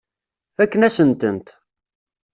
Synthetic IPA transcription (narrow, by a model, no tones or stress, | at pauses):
fækːənæsənt̪ənt̪